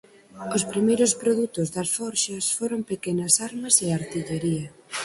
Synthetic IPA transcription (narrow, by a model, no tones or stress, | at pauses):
ospɾimejɾʊspɾoðut̪ʊzðɐsfɔɾʃɐsfoɾompekenɐsaɾmɐseaɾt̪iʎeɾiɐ